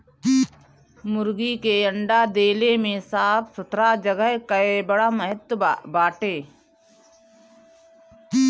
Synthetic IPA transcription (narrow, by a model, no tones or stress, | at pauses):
mʊɾɡikeə̃ɳɖad̪eːlemẽsaːpʰsʊt̪ɾad͡ʒəɡəɦkəebəɽaməɦət̪wbaːʈeː